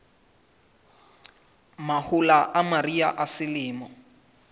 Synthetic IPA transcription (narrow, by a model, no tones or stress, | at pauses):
mahʊlaʔamariaʔasɪlɪːmɔ